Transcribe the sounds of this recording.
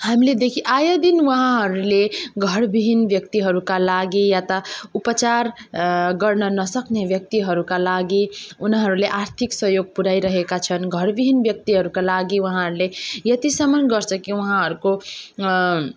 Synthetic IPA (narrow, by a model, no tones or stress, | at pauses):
hamiled̪ekʰiʔajʌd̪inwʌɦãɦʌɾuleɡʱʌɾbibʱinbjʌk̚t̪iɦʌɾukalaɡijat̪ʌupʌt͡saɾɡʌrnʌnʌsʌknebjʌk̚t̪iɦʌɾukalaɡiunɦʌɾuleʔaɾt̪ʰiksʌɦjoɡ̚puɾaiɾʌɦekat͡sʰʌnɡʱʌɾbibʱinbjʌk̚t̪iɦʌɾukalaɡiwuɦãɦʌɾulejʌt̪isʌmʌnɡʌɾt͡sʰʌkiwɦãɦʌɾuko